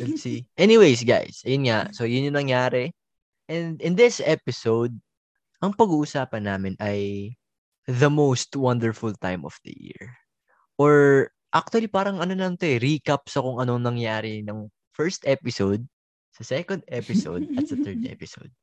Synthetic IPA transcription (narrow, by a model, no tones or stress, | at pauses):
ɛlsiʔɛniwejs̬ɡa̰jsɐjʊnŋaso̞jʊnjʊnɐŋjaːɾɛ | ʔɛ̃nd̪ɪnd̪ɪsʔɛpɪsowd̪̚ | ʔɐŋpɐɡuːʔʊsaːpɐnːaːmɪnʔɐj | ðɐmowst̪wɐnd̪ɛɹfʊlt̪ãjmʔɔ̰fd̪̥ɐ̰jḭɹ | ʔoɹ | ʔak̚t̪ʊɐlipaːɾɐŋɐnonɐnt̪o̞ʔɛɾikɐp̚sɐkʊŋɐnoŋnɐŋjaːɾɪnɐŋ | fɛɹst̪ʔɛpɪsowd̪̚ | sɐsɛkõnd̪ʔɛpɪso̰wd̪̚ɐt̪sɐt̪ɛɹd̪̚ʔɛ̰pɪso̰wd̪̚